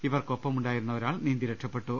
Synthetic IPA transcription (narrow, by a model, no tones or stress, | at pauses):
iʋɐrko̞pːɐmuɳɖaːjiɾunːɐoɾaːɭniːnd̪iɾɐʈʂɐpːe̞ʈːu